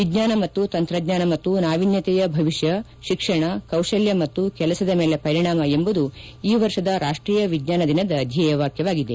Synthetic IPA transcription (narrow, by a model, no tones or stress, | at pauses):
ʋid͡ʒɲaːnɐmɐt̪ːut̪ɐnt̪ɾɐɡɲaːnɐmɐt̪ːunaːʋinjɐt̪ɛjɐbʱɐʋiʃjɐ | ʃikʂɐɳɐkɐwʂɐljɐmɐt̪ːukɛlɐsɐd̪ɐmeːlepɐɾiɳaːmɐembud̪u | iːʋɐɾʂɐd̪ɐɾaːʂʈɾiːjɐʋiɡɲaːnɐd̪inɐd̪ɐːd̪ʱjɐjɛʋaːkjɐʋaːɡid̪e̞